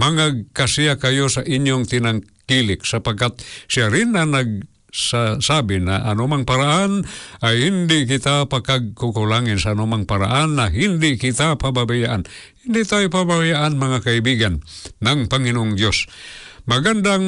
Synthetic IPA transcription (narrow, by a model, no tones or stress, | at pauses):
mɐŋaɡ̚kasijakajosaʔɪɲjoŋt̪ɪnaŋkilɪk̚sapaɡkːat̪̚sɪaɾɪnanaɡ̚ | sasabɪna̰ʔanomaŋpaɾaʔanʔajhɪnd̪ɪʔkɪt̪apakaɡ̚kʊkʊlaŋɪnsaʔːnomaŋpaɾa̰ʔanːaɦɪnd̪ɪʔkɪt̪apababajaʔan | hɪnd̪ɪʔt̪ajopababajaʔanmɐŋakaibiɡanːaŋpaŋɪnoʔʊŋd̪josmɐɡand̪a